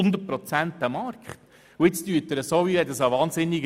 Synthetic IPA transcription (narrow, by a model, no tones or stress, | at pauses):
ʊnd̪ət̚pɾɔt͡sænt̪æmɑɾkχt | ʊɪt͡styːətəɾəsoːʋihɛt̪dəsɑʋɑːnzɪnːiɡ